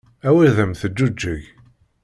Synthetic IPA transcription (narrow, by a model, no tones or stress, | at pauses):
æwiðəmθəd͡ʒːud͡ʒːəʝ